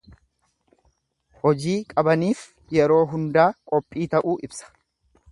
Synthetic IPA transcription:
hɔd͡ʒiːkʼɐbɐniːf | jɛɾo̞ːɦʊnd̪aːkʼɔpʼːiːt̪ɐʔuːʔɪbsɐ̥

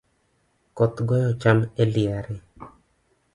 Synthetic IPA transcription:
kɔt̪ɡɔjɔt͡ʃameliaɾɪ

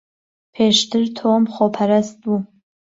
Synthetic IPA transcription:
pʰeːʃt̪ʰɨɾtʰomχopʰɐɾast̪̚bu

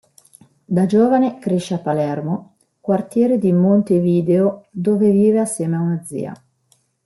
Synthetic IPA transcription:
d̪ad͡ʒoːvanekɾeʃːeapːalɛrmo | kwart̪jɛːɾed̪imont̪eviːd̪eod̪oːveviːveasːjɛːmeaunad̪zḭːa̰

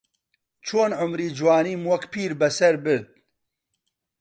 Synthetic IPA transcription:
t͡ʃʰoːnʕʊmɾiːd͡ʒwɑːniːmwɐkpʰiːɾbɛsɐɾbɨɾd̪̚

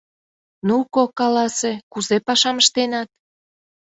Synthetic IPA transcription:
nukokɑlɑsekuzepɑʃɑməʃt̪enɑt̪̚

